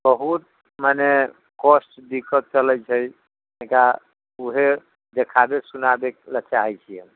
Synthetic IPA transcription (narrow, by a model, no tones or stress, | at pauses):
bəɦut̪̚ | mane | kosʈdikːət̪̚t͡ʃələjt͡ʃʰəj | əɦĩka | uɦe | d̪ekʰabesunabelət͡ʃaɦɛjt͡ʃʰiəm